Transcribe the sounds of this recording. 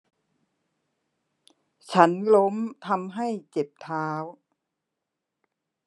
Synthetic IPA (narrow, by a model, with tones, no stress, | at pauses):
t͡ɕʰa˦˥nlo˦˥mt̪ʰa˧mɦa˥˩jt͡ɕe˨˩p̚t̪ʰaː˦˥w